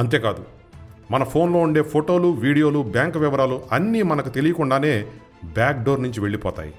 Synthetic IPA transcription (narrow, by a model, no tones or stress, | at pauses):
ɐnt̪e̞ːkaːd̪u | mɐnɐpʰo̞ːnlo̞ːuɳɖe̞ːpʰoʈo̞ːluʋiːɽijo̞ːlubjaːŋkʋɛʋɐɾaːluʔɐnːiːmɐnɐkut̪e̞lijɐkuɳɖaːne̞ː | bjaːk̚ɖoːɾnuɲt͡ʃiʋe̞ɭːipɔːt̪a̰ːjḭ